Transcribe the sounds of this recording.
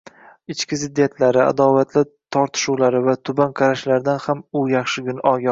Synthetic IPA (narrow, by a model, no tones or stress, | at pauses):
ɪt͡ʃkʲɪzɪd̪ːijat̪ʰlaɾɪa̰d̪ɒvat̪ʰlɪt̪ʰɒɾt̪ʰɪ̥ʃuwlaɾɪvat̪ʰʊbanqʰɑɾaʃlaɾd̪anhamʊjɑχʃɪɡʲʊnʔɒɡʲɒ